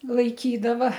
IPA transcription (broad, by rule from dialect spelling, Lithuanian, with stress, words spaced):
lˠɐɪˈkʲiːdɐʋɐ